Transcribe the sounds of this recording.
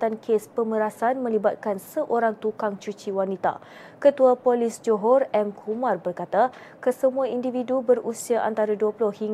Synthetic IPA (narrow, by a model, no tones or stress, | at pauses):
ankʰespəməɾasanmə̃libat̪̚kansəʔoɾaŋt̪ukaŋt͡ʃut͡ʃiwanit̪a̰ | kət̪uapolisd͡ʒoɦɔrɛmkʰumãrbərkat̪a | kəsəmũaindividubərusiaʔa̰nt̪aɾaduəpulʊhhiŋ